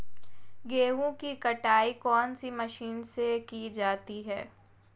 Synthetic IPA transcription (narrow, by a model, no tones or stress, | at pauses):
ɡeːɦõkikɐʈaːikɔːnsimɐʃiːnsekid͡ʒaːt̪iɦɛː